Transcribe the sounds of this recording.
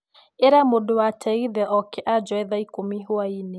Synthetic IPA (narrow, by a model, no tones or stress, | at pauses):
eɾamodowatʰɛiðɛʔɔkɛʔad͡ʒɔɛðaikomiɦoaine